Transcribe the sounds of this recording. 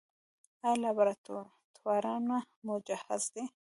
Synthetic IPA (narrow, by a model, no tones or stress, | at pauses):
alabaɾat̪o | t̪ʰwaɾɑna | mʊd͡ʒaha̰zd̪e